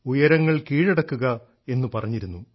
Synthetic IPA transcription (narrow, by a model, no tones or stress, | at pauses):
ujɐɾɐŋːɐɭkiːɻeɽɐkːuɣɐ | e̞nːupɐrɐɲːiɾunːu